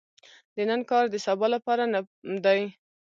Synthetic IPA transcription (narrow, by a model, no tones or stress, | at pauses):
d̪ənənkɑɾd̪əsabɑlapɑɾana | md̪aj